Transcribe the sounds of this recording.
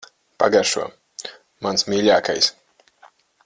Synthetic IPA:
pa̰ɡaɾʃṵɔ | mansmʲiːʎʲaːkajs

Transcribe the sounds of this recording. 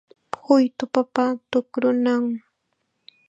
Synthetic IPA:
hʊjt̪ʊpapat̪ʊkɾʊnaŋ

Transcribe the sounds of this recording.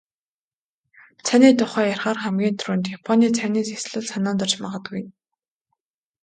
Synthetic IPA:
t͡sʰaniːt̪ʊχœːjarχaːrχæmɡʲiːnt̪ʰɾuːnt̪japʰɔniːt͡sʰæniːsesɮɘ̆ɮsanɔːnt̪ɔ̆r̥t͡ɕmaʁə̆t̪ɡujɘ̆n

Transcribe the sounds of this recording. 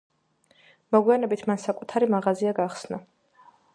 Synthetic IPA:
mɔɡwianɛbit̪ʰmansakʼut̪ʰaɾimaʁaziaɡaχsna

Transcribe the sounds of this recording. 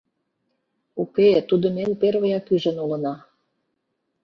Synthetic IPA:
uket̪ud̪ə̆menperβəjɑkyʒə̆nulə̆nɑ

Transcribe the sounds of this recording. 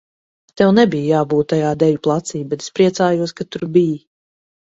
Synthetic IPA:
t̪ɛwnɛbijjaːbuːt̪ːajaːd̪ɛvʲuplˠat̪siːbbɛt̪e̥spɾiɛt̪saːjuɔskat̪uɾbiji

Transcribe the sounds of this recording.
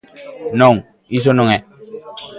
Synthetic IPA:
nɔŋ | is̬onɔŋɛ

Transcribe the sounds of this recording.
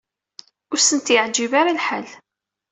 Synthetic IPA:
ʊɾsənt̪jəʕd͡ʒivaɾalħal

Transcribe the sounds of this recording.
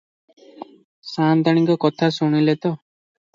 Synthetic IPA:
sant̪aɽ̃iŋkɔkɔt̪ʰasuɽ̃ilet̪ɔ

